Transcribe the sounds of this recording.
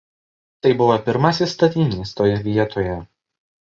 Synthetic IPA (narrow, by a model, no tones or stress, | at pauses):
t̪ɐɪbʊʋopʲɪɾmɑsʲɪst̪ɐt̪ʲiːnʲiːst̪oːjɛʋʲiɛt̪oːjɛ